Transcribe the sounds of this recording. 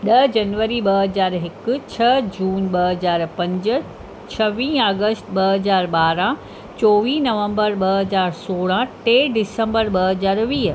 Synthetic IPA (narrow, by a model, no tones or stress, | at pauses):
ɗɐd͡ʑɐnʋəɾiɓɐɦɐzaːɾɦɪkʊ̆t͡ɕʰɐd͡ʑuːnɓɐɦɐzaːɾpɐ̃ɲd͡ʑ̆ | t͡ɕʰɐʋĩːaːɡəsʈɓɐɦɐzaːɾɓaːɾã | t͡ɕoːʋiːnɐʋə̃mbəɾɓɐɦɐzaːɾsoːɽãʈeːɖɪsə̃mbəɾɓɐɦɐzaːɾʋiː